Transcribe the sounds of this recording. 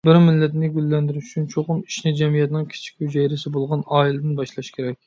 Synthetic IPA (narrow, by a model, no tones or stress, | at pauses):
bɪɾmɪlːɛt̪nɪɡʲylːɛnd̪ɪɾyʃy̥t͡ʃʰynt͡ʃʰoʁʊni̥ʃnɪd͡ʒɛmijɛt̪nɪŋkʲʰi̥t͡ʃʰi̥kʲhyd͡ʒɛjɾɪsɪbolˠʁɑnɑːilɪd̪ɪnbɑʃlˠɑʃkʲʰeɾɛkʲ